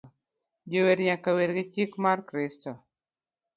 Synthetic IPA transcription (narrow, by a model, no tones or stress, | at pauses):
d͡ʒoweɾɲakaweɾɡɪt͡ʃikmarkɾɪsto